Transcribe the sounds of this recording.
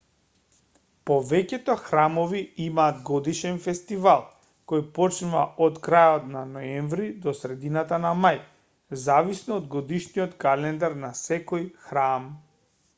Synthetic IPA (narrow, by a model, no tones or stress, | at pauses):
pɔvɛcɛt̪ɔxɾamɔviimaːd̪ɡɔd̪iʃɛnfɛst̪ivalˠ | kɔjpɔt͡ʃnuva̰ʔɔt̪kɾajɔt̪nanɔɛɱvɾid̪ɔsɾɛd̪inat̪anamaj | zavisnɔːd̪ɡɔd̪iʃnijɔt̪kalɛnd̪aɾnasɛkɔjxɾam